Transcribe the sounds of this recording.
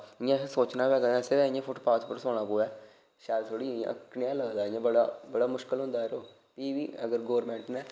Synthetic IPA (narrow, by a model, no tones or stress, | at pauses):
ɪjãːsoːt͡ʃnaːʋɛːɡ̪ɛ̃sɪɾɛːɪjãːpʰʊʈpaːt͡ʃpəɾsoːɽ̃aːpoːʋɛː | ʃaːɾt̪ʰoːɽiːã̰əkɳɪjãːləɡd̪aːjãːbəɽa̰ːbəɽaːmʊʃkəlɦʊ̃nd̪aːɛɾoː | piːʋḭːəɡəɾɡoːɾmɛ̃ːɳʈnɛ̃ː